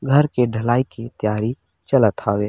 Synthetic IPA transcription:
ɡʱɐɾkeɖʱɐlaːikit̪jaːɾi | t͡ʃɐlət̪ʰaːʋeː

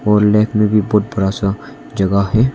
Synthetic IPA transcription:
ɔːɾlɛːkʰmẽbʱibɔːt̪̚bɐɾasa | d͡ʒɐɡaɦɛː

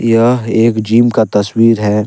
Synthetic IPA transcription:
jɐeːkd͡ʒiːmkat̪ɐswiːɾɦɛː

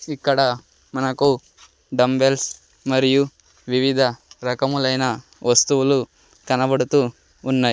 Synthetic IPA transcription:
ikːɐɽɐ | mɐnɐku | ɖɐmbels | mɐɾiju | ʋiʋid̪ʱɐɾɐkɐmulɐjɐnɐ | ʋɐst̪uʋɐlu | kɐnɐbɐɽut̪uː | nːɐj

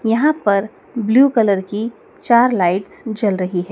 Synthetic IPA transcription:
jɐɦãpɐɾ | bljuːkɐləɾki | t͡ʃaːɾlaːɪʈsd͡ʒɐlɾɐɦiɦɛː

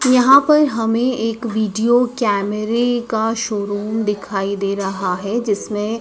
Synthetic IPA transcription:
jɐɦãpɐɾɦɐmẽeːkʋiːɖijokɛːmɛɾekaʃoːɾuːmd̪ɪkʰaːid̪eːɾɐɦaɦɛd͡ʒɪsmẽ

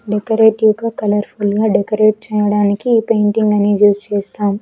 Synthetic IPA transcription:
ɖekɐɾeːʈiuʋɡaːkɐlɐɾpʰulɡaːɖɛkɐɾeːʈ̚t͡ʃɛːjɐɽaːnikiiːpejɳʈiŋɡɐnijuːst͡ʃɛːst̪aːmu

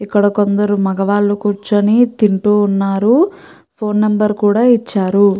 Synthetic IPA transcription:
ikːɐɽɐko̞nd̪ɐɾumɐɡɐʋaːlːukuɾt͡ʃɐnit̪iɳʈuːnːaːɾu | pʰo̞ːnːɐmbɐɾkuːɽaːit͡ʃːaːɾu

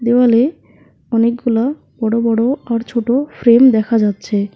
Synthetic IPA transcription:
d̪ewale | ɔnekɡula | b̥ɔɽobɔɽoaɾt͡ɕʰoʈofɾemd̪ɛkʰad͡ʑatːɕʰe

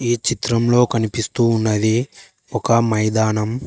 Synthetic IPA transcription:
iːt͡ʃit̪ɾɐmlo̞ːkɐnipist̪uːnːɐd̪i | ɔkɐmɐjd̪aːnɐm

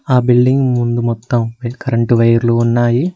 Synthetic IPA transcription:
aːbilɖiŋɡmund̪umɔt̪ːɐmʋkɐɾɐɳʈuʋɐjɐɾluːnːaːji

